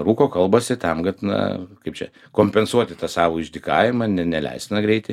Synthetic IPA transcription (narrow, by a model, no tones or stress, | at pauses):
ruːkoːkɐlˠbɐsʲɪt̪ɐmɡɐt̪nɐ̰kɐɪpt͡ʃʲɛ̰ | koːmʲpʲɛnsuɔt̪ʲɪt̪ɑsɑːʋoːɪʒʲd̪ʲɪkɑːʋʲɪmɐnʲɛnʲɛlʲɛ̰ɪsʲɪnɐɡɾʲɛɪt̪ʲɪ